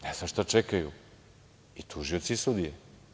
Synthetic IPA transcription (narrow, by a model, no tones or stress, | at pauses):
neznaʃt̪at͡ʃekajṵ | it̪ʰuʒiot̪sisud̪ije